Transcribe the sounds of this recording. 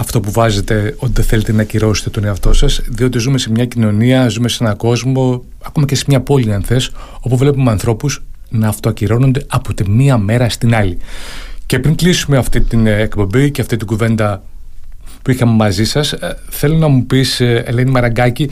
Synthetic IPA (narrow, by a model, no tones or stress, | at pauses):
ɐft̪o̞puvɐzet̪e̞o̞t̪iðeθe̞le̞t̪e̞nɐciɾo̞se̥t̪et̪o̞neɐft̪o̞sɐsðio̞t̪̬izume̞se̞mɲɐcino̞niɐzume̞see̞nɐko̞zmo̞ | ɐko̞mɐce̞semɲɐpo̞liɐnθe̞so̞puvle̞pumeɐnθɾo̞pus | nɐːft̪oɐciɾo̞nond̪e̞ɐpot̪emiɐme̞ɾɐst̪inɐlice̞pɾiŋklisumeɐft̪it̪inekpo̞mbiceɐft̪it̪iɡuve̞nd̪ɐ | puixɐmemɐzisɐsθe̞lo̞nɐmupisḛle̞nimɐɾɐŋɡɐci